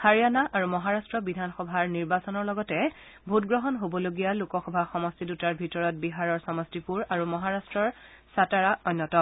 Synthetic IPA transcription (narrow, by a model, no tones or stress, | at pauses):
haɹijanaʔaɹumɔɦaɹastɹɔbidʱanxɔbʱaɹniɹbasɔnɔɹlɔɡɔtɛ | bʱutɡɹɔɦɔnɦobɔloɡijalukɔxɔbʱaxɔmɔstidutaɹbʱitɔɹɔt̚biɦaɹɔɹsɔmɔstipuɹaɹumɔɦaɹastɹɔɹsataɹaɔjnːɔtɔ